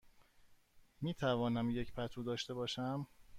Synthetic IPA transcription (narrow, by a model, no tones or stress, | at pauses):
miːt̪ʰævɒːnæmje̞cʰpʰæt̪ʰuːd̪ɒːʃt̪e̞bɒːʃæm